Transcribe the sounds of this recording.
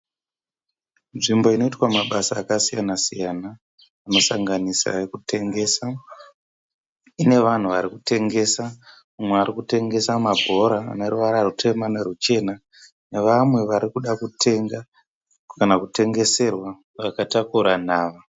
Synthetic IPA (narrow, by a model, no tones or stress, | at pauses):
nʐimbo̞ino̞itwamaɓasaːkasijanasijanaː | no̞saŋɡanisa̰ekutʰe̞ŋɡe̞ːsa | ine̞ʋan̤uʋaɾikute̞ŋɡe̞sa | mumweaɾikute̞ŋɡe̞samabʱo̞ɾa̰ːne̞ruʋaɾarutʰe̞manerut͡ʃe̞na | neʋamwe̞ʋaɾikuɗakutʰe̞ŋɡa | kanakute̞ŋɡe̞se̞rwa | ʋakatakuɾanaːʋa